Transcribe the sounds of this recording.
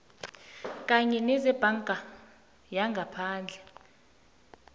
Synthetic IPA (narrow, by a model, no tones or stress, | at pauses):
kʼaɲɛnɛzɛb̥ʱaŋkʼa | jaŋɡʱapʰaːnd͡ɮʱɛ